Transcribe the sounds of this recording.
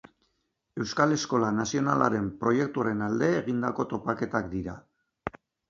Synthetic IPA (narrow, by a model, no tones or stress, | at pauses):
e̞wskale̞sko̞lanasio̞nala̰ɾe̞mpɾo̞je̞k̚t̪uaɾe̞nald̪e̞ːɣ̞ind̪ako̞t̪o̞pake̞t̪akd̪iɾa